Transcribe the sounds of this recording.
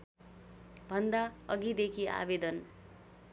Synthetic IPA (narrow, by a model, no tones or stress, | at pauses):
bʱʌnd̪aʌɡid̪ekʰia̰bed̪ʌn